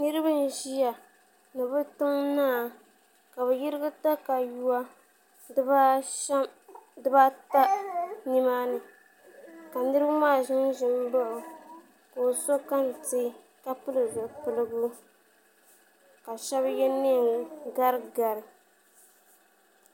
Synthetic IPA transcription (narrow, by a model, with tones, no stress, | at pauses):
nɨ˦ɾɨ˦bɨ˦n̩˦ʒi˦ja˨ | nɨ˨bɨ˦tɨ˦ŋnaː˦˨ | ka˨bɨ˨ji˦ɾɨ˦ɡɨ˦ta˦ka˨ju˦a˦ | dɨ˦ba˦ta˦ni˦maː˦nɨ˨ | ka˨nɨ˦ɾɨ˦bɨ˦maː˦˨ʒɪ˦ŋʒɪ˦˨m˦bʊ˦ʔʊ˨ | ko˨so˦ka˦n˨tɨ˦ | ka˦pɨ˦lɨ˨ɡɨ˨pɨ˦lɨ˦ɡu˦ | ka˨ʃɛ˦bjɛ˦ne˦˨ŋ˨ɡa˦ɾɡa˨ɾɨ˨